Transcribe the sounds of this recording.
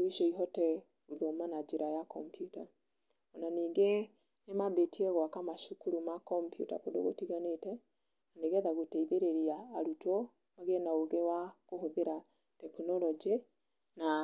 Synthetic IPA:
iʃɔiɦɔtɛ | uðomanad͡ʒeɾajakɔmpjuta | ɔnaniːŋɡe | nemabetiɛɣwakamaʃukuɾumakɔmpjṵta̰kodo̰ɣotiɣanetɛ | aneɣɛðaɣotɛiðeɾeɾiaːɾutɔ | maɣenaoɣewakoɦoðeɾa | tɛknɔlɔd͡ʒe | na

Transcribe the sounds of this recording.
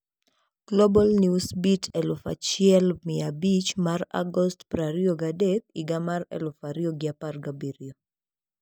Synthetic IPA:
ɡ̥lobɔlniusbitʰɛlʊfa̰t͡ʃɪɛlmɪabit͡ʃmara̰ɡɔstpɾaɾioɡadek̚iɡamarɛ̰lʊfaɾioɡɪaparɡabiɾio

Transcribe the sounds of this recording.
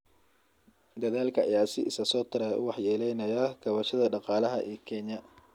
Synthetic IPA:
d̪ɐðaːlkʰɐɐjaːsɪ̰ʔɪsɐsɔːt̪ʰɪɾɛʔʊ̰wɑħjɛːlɛjnɐjɐɡʰɐβɐʃɐðɐɖɑqɑːlɐɦɐ̰ʔɛːkʰɛɲɐ

